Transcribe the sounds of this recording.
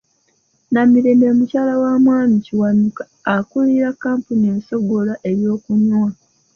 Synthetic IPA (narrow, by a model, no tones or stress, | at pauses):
namiɾeːmbemucaːlawamwaːmiciwanukḁːkuliɾakːaːmpunieːnso̞ɡo̞laʔe̞ɾjo̞ːkuɲwa